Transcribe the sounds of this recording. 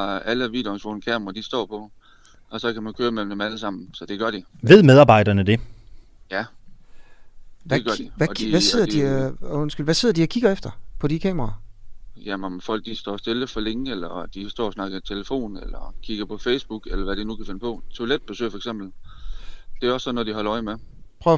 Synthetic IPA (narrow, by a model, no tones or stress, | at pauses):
æləʋḭːd̥e̝onsfʋonkʰæːmɐʁɐd̥isd̥ɒ̰ːpʰɒ̽ | ʔɒ̽sɒ̽kæmænkʰøːɐmel̰m̩d̥emæləsɑ̈m̰n̩sɒ̽d̥e̝ɡ̥ɶɐɾ̥iʋe̝ð̞̰ˠmeð̞ˠɑ̈ːbɑ̈ɪ̰d̥ɐnəd̥e̝ | jæ | ʋæɡ̥ɶɐd̥iʋæ̥ʋæe̝ð̰ˠɐd̥iɔ̽n̰sɡ̥ylʋæse̝ð̰ˠd̥iækʰiɡ̥ɐefd̥ɐpʰɒ̽dikʰɛ̰ːmʁɑːjæmɒmfɒ̽l̰ɡ̥̚d̥isd̥ɒ̰ːsd̥e̝ləfɒleŋelɐd̥isd̥ɒ̰ːsnɑ̈ɡ̥ət͡sʰeləfo̝̰ːnelɐkʰiɡ̥ɐpʰɒ̽feɪsb̥uɡ̥elɐʋæɾ̥inukʰæfe̝nəpʰɒ̽t͡sʰo̝led̥̚b̥e̝sø̰ːɐfɒeɡsem̰b̥l̩ | d̥e̝æɒ̽sːɒnɔd̥iɦɒ̽lɐɒɪmepʰœʊ